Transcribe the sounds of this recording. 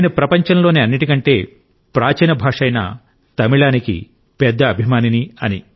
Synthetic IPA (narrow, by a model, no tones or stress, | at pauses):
nɐpɾɐpɐɲt͡ʃɐnlo̞ːniɐnːiʈikɐɳʈe̞ː | pɾaːt͡ʃɐnɐbʱaːʂɐjnɐ̰ | t̪ɐmiɭaːnikḭ | pɛd̪ːɐːbʱimaːniniɐni